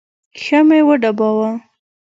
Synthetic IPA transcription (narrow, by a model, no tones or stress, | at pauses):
xamewəɖabɑwa